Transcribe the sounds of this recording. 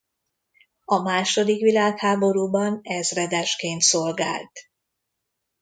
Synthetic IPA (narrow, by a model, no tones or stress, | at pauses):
ɒmaːʃo̞d̪ikʋilaːkhaːbo̞ɾuːbɒnɛzrɛd̪ɛʃkeːnt̪so̞lɡa̰ːlt̪